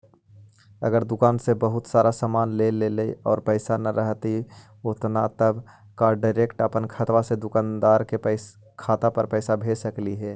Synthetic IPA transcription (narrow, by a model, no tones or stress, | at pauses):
ə̰ɡəɾd̪ʊkaːnsebəɦʊt̪saːɾasaːmaːnleleleɔːɾpəɪsanɐɾʔəɦt̪i | ʊt̪nat̪əb | kaɖaɪɾeːkʈəpənkʰət̪ʋased̪ʊkaːnd̪aːɾkep | kʰaːt̪apəɾpɛɪsabʱeːsəkliɦɛː